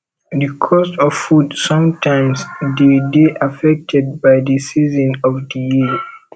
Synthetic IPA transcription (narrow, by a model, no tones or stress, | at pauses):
dəkʰɔstɔffudsɔ̃mtʰãɪ̃msdedeʔafɛk̚tʰɛd̚baɪdəsizɔ̃nɔvdiji